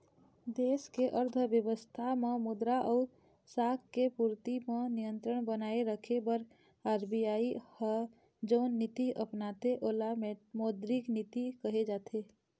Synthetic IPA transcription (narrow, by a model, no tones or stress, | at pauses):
d̪eːskeʔəɾd̪ʱbjəʋəst̪ʰamẽmʊd̪ɾaʔɔːɾ | sakkepuɾt̪imẽnijənt̪ɾəɽbənaeɾəkʰebəɾ | aːɾbijaihə | d͡ʒəʊnːit̪iʔəpnat̪eʔolamemod̪ɾiknit̪ikəɦed͡ʒat̪ʰe